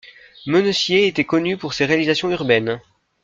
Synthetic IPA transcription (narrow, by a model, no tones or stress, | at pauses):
mənəsjeːt̪ɛkɔnypuʁseʁealizasjɔ̃yʁbɛn